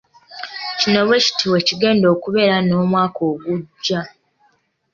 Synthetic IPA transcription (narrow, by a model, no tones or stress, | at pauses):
cino̞βwe̞ci̥tʰiweciɡe̞ːndoːkuβe̞ɾano̞ːmwaːko̞ːɡuɟːa